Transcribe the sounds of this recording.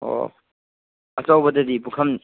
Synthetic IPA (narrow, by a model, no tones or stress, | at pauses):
o̰ | ɐt͡ʃawbɐdɐdipukʰɐm